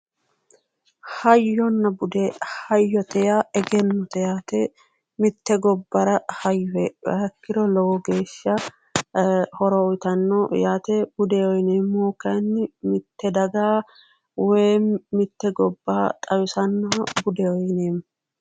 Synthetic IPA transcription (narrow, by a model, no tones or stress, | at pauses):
hɐjːɔnːɐbʊd̪ɛhɐjːɔt̪ɛjaɛɡɛnːɔt̪ɛjaːt̪ɛ | mɪt̪ːɛɡɔbːɐɾɐhɐjːɔɛbɐ̰ɐkːɪɾɔlɔwɔɡe̞ːʃːɐ | hɔɾɔːjt̪ɐnːɔjaːt̪ɛb̥ʊd̪ɛɔjneːmːoːkɐnːɪmɪt̪ːɛd̪ɐɡaː | weːmːɪt̪ːɛɡɔbːaːt̪ʼɐwʊsɐnːɐbʊd̪ɛɔjneːmː